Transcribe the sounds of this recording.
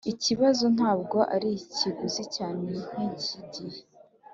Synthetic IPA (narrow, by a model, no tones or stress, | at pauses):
iciβazon̥haːb̚ɡo̞ʔaɾiciɡuzicaːnen̥iɟiɟiɾe